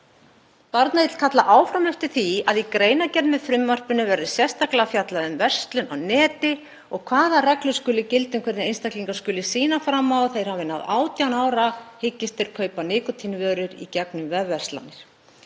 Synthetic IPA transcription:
paɾt̪naɪt̪l̥kʰat̪laʔaːwfɾamɛft̪ɪ̥θiaðikɾeːjnacɛɾnmɛðfɾʏmːar̥pʏnʏvɛɾðʏsjɛst̪aklafjat̪laðʏmvɛr̥st̪lʏnawnɛːt̪ɪ | ɔɣkʰvaːðarɛklʏskʏːlɪcɪlt̪ʏmkʰɛɾt̪ɪɾejnst̪akliŋkḁskʏːlɪsiːnafɾamːawθejɾ̥havɪna̰ðaːwt̪jawnaːwɾahɪcːɪst̪ɪɾ̥kʰœːɥpanɪːkɔt̪ʰinvœːɾʏɾḭcɛknʏmvɛvvɛr̥st̪la̰nːɪɾ̥

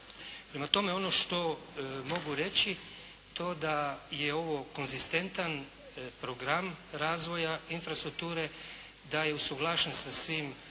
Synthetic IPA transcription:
pɾemat̪o̞me̞o̞no̞ʃt̪o̞ | mo̞ɡuɾe̞t͡ʃi | t̪o̞d̪ajeo̞ʋoko̞nzist̪e̞nt̪an | pɾoɡɾamɾaːzʋo̞jainfɾast̪ɾuk̚t̪uːɾe | d̪ajeusuɡlˠaːʃensasʋim

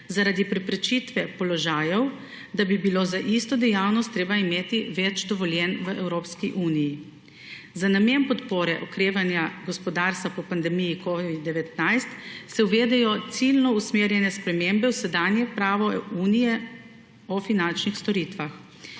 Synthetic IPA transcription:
zaɾad̪ipɾɛpɾɛt͡ʃit̪ʋɛpɔlɔʒaːjɔw | d̪abibiloːzaʔist̪ɔd̪ɛjawnɔst̪ːɾeːbaimeːt̪iʋɛt͡ʃd̪ɔʋɔljɛnʋəʔɛwɾoːpskiʔuːniji | zanameːnpɔt̪poːɾɛʔɔkɾeːʋanjaɡɔspɔd̪aːɾst̪ʋapɔpand̪ɛmijikɔʋid̪̚d̪ːɛʋɛt̪najst̪sɛwʋeːd̪ɛjɔt̪silnɔusmeːɾjɛnɛspɾɛmembɛwsɛd̪aːnjɛpɾaːʋɔuːnijɛ | ɔfinant͡ʃnixst̪ɔɾit̪ʋax

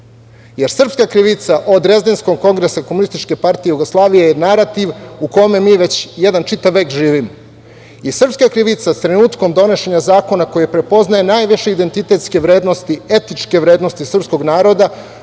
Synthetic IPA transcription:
je̞ɾsr̩pskakɾiʋit̪saʔo̞d̪ɾezd̪ensko̞mko̞ŋɡɾesakomunist̪it͡ʃke̞paɾt̪ijejuɡoslˠaːʋijejenaɾat̪iʋuko̞me̞miːʋe̞t͡ɕjed̪ant͡ʃit̪aʋːeːkʒiːʋimo | jisr̩pskakɾiʋit̪sast̪ɾenuːt̪ko̞md̪o̞ne̞ʃe̞ɲazaːko̞nako̞jepɾe̞po̞znaje̞najʋiʃeid̪e̞nt̪it̪e̞t̪ske̞ʋɾe̞ːd̪no̞st̪ie̞t̪nit͡ʂke̞ʋɾeːd̪no̞st̪isr̩psko̞ɡnaːɾo̞d̪a

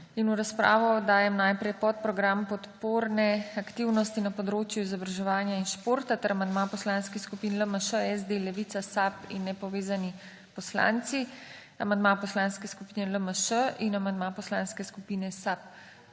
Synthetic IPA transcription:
inuɾaspɾa̰ːʋɔd̪aːjɛmnajpɾɛjpɔt̪̚pɾɔɡɾampɔt̪poːɾnɛakt̪iwnɔst̪inapɔd̪ɾoːt͡ʃjuizɔbɾaʒɛʋaːnjainʃpoːɾt̪at̪əɾamand̪mapɔslanskixskupinləməʃəɛzd̪elɛʋit̪sasapḭnːɛpɔʋeːzani | pɔsla̰nt̪si | amand̪mapɔslanskɛskupiːnɛləməʃəʔinamand̪mapɔslaːnskɛskupiːnɛsap̚

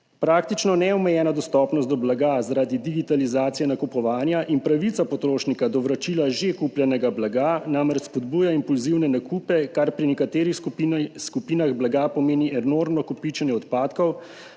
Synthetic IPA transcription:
pɾaːk̚t̪it͡ʃnɔnɛɔmɛjɛːnad̪ɔst̪ɔpnɔst̪d̪ɔblaɡazaɾad̪id̪iɡit̪alizaːt̪sijɛnakupɔʋaːnjaʔinpɾaʋit̪sapɔt̪ɾoːʃnikad̪ɔʋɾat͡ʃilaʒekupljɛnɛɡablaɡanamɾɛt͡ʃspɔd̪buːjaimpulziwnɛnakupɛkaɾpɾinɛkat̪eːɾixskupiːnaɣblaɡapɔmeːniʔɛnoɾmnɔkupit͡ʃɛnjɛɔt̪paːt̪kɔw

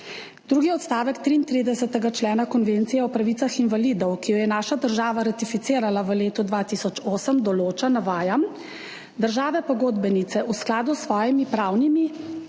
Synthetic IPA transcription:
d̪ɾuːɡiɔt̪st̪aːʋɛkt̪ɾiːnt̪ɾiːd̪ɛsɛt̪ɛɡat͡ʃlɛːnakɔnʋeːnt̪sijɛɔpɾaʋiːt̪saxinvalid̪ɔwkijɔjɛnaːʃad̪əɾʒaːʋaɾat̪ifit̪siːɾalaʋəleːt̪ud̪ʋat̪iːsɔt͡ʃoːsəmd̪ɔloːt͡ʃanaʋaːjam | d̪əɾʒaːʋɛpɔɡoːd̪bɛnit̪sɛʔusklaːd̪usːʋɔːjɛmipɾaːwnimi

